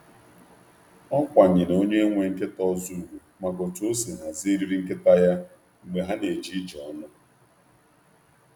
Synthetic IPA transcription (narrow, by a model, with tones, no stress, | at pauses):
ɔ˦kʷa˨ɲɪ˨no˦ɲe˦ŋʷe˨ŋ̩˦ke˦tɔ˦zu˦˨ɦu˨ | ma˨ɡo˨to˦si˨na˨zi˦ɾi˦ɾi˦ŋ̩˦ke˦ta˦ja˦ | ŋ̩˦ɡ͡be˦ɦa˦ne˨d͡ʒi˦d͡ʒɔ˨˦nʊ˦